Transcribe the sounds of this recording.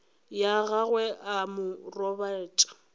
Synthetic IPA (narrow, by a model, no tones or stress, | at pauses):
jaɣaɣwɛʔamʊrɔbaɛːt͡ʃʼḁ